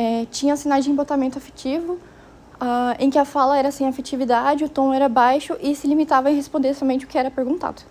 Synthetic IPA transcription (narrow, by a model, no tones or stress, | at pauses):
ɛt͡ʃĩɲɐ̃sinad͡ʒɪĩbot̪amẽnt̪ʊafe̥t͡ʃivʊ | aẽkɪɐfalɐɛɾɐsẽj̃afet͡ʃivid̪ad͡ʒɪʊt̪õw̃ɛɾɐbajʃʊʔɪsɪlimit̪avɐẽɦespõnd̪eɾsɔmẽnt͡ʃɪʊkɪɛɾɐpeɾɡũnt̪a̰d̪ʊ